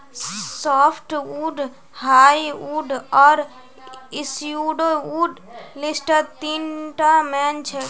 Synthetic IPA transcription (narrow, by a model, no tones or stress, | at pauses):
sɔːpʰʈuːɖ | haːjuːɖɔːɾ | ɪsuːɖouːɖ | lɪsʈət̪iːnʈamɛːnt͡ʃʰɛ